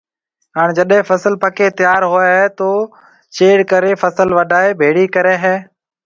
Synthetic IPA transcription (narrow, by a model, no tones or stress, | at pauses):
ɦaːɽ̃d͡ʒəɗɦẽfəsəlpəkeːt̪ɪjaːɾɦoɦɛːt̪oː | t͡ʃeːɽkəɾeːfəsəlʋəɖʱaːeːbʱeːɽiːkəɾeːɦɛː